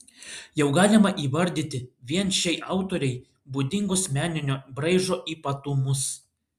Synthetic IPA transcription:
jɛʊɡɑːlʲɪmɐʔiːʋɐɾʲd̪ʲiːt̪ʲɪʋʲiɛnʃʲɛɪʔɑˑʊt̪oːɾʲɛɪ | buːd̪ʲɪŋɡʊsmʲæːnʲɪnʲoːbɾɐɪʒoːʔiːpɐt̪ʊmʊs

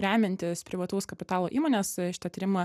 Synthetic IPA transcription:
ɾʲæːmʲɪnʲt̪ʲɪspʲɾʲɪʋɐt̪oːskɐpʲɪt̪ɑːlˠoːʔḭːmoːnʲeːsʃʲɪ̥t̪ɐt̪ʲiːɾʲɪmɐ

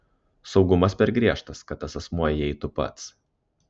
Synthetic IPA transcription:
sɒʊɡʊmɐspʲɛɾɡɾʲiɛʃt̪ɐskɐt̪ːɐsɐsmuɔjɪɛɪt̪ʊpɐ̰t̪s

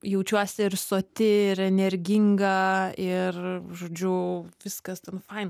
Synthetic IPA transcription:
jɛʊt͡ʃʲuɔsʲɪɪrsoːt̪ʲɪɪɾɛnʲɛɾʲɡʲɪŋɡɐɪrʒoːd͡ʒʲʊʋʲɪskɐst̪ʲɛnfɐɪn

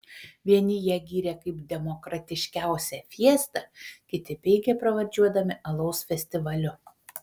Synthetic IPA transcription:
ʋʲiɛnʲɪjiɛɡʲiːɾʲɛkɐɪpd̪ʲɛmɔkɾɐt̪ʲɪʃʲkʲæˑʊsʲɛfʲiɛst̪ɐkʲɪt̪ʲɪpʲɛɪɡʲepɾɐʋɐɾʲd͡ʒʲuɔd̪ɐmʲɪʔɐlˠɐʊsfʲɛsʲt̪ʲɪʋɐlʲʊ

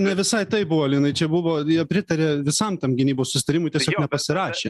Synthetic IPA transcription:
nʲɛʋʲɪsɐɪt̪ɐɪbʊʋoːɪlʲjɪnɐɪt͡ʃʲɛbʊʋoːjiɛpʲɾʲɪt̪ɐɾʲeːʋʲɪsɐmt̪ɐmɡʲɪnʲiːboːssʊsʲɪt̪ɐɾʲɪmʊɪt̪ʲɛsʲoːknʲɛpɐsʲɪɾɑːʃʲeː

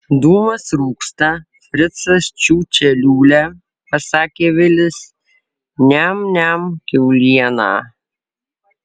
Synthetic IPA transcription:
d̪uːmɐsɾuːkst̪ɐ | fʲɾʲɪt̪sɐst͡ʃʲuːt͡ʃʲɛlʲuːlʲæ | pɐsɑːkʲeːʋʲɪlʲɪs | nʲæmnʲæmkʲɛʊlʲiɛnɑː

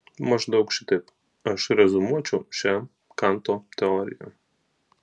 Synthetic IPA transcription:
mɐʒd̪ɐʊkʃʲɪt̪ɐɪp | ɐʃɾʲɛzʊmuɔt͡ʃʲɛʊʃʲæ | kɑnt̪oːt̪ʲɛɔːɾʲɪ̰jɛ̰

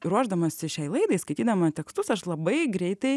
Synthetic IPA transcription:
ɾuɔʒd̪ɐmɐsʲɪʃʲɛɪlˠɐɪd̪ɐɪskɐɪt̪ʲiːd̪ɐmɐt̪ʲɛkst̪ʊsɐʃlˠɐbɐɪɡɾʲɛɪt̪ɐɪ

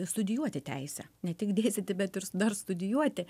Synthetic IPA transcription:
st̪ʊd̪ʲɪjuɔt̪ʲɪt̪ʲɛɪsʲɛnʲɛt̪ʲɪkd̪ʲeːsʲtʲɪt̪ʲɪbʲɛt̪ɪɾsʊd̪ɐrst̪ʊd̪ʲɪjuɔt̪ʲɪ

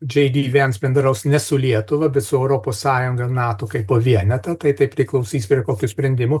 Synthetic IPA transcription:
d͡ʒʲɛɪd̪ʲiːʋʲɛnsbʲɛnd̪ɾɐʊsnʲɛsʊlʲiɛt̪ʊʋɐbʲɛt̪sʊɛʊɾoːpoːssɑːjʊŋɡɐnɑːt̪oːkɐɪpːoːʋʲiɛnʲɛt̪ɐt̪ɐɪt̪ɐɪpʲɾʲɪklˠɐʊsʲiːsʲpʲɾʲiɛkoːkʲʊsʲpʲɾʲɛnʲd̪ʲɪmʊː

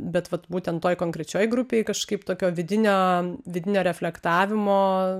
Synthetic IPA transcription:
bʲɛt̪ʋɐt̪buːt̪ʲɛnt̪ːoːjkoːŋkɾʲɛt͡ʃʲoːjɡɾʊpʲeːjkɐʃkɐɪpt̪oːkʲoːʋʲɪd̪ʲɪnʲoːʋʲɪd̪ʲɪnʲoːɾʲɛfʲlʲɛkt̪ɑːʋʲɪmoː

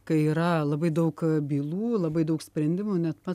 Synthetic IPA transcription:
kɐɪiːɾɐlˠɐbɐɪd̪ɐʊkbʲiːlˠuːlˠɐbɐɪd̪ɐʊksʲpʲɾʲɛnʲd̪ʲɪmuːnʲɛt̪pɐ

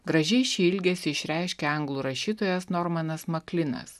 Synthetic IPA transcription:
ɡɾɐʒʲɛɪʃʃʲiːɪlʲɡʲesʲɪɪʃʲɾʲæˑɪʃʲkʲɛɐŋɡlˠuːɾɐʃʲiːt̪oːjɛsnɔɾmɐnɐsmɐklʲɪnɐ̰s

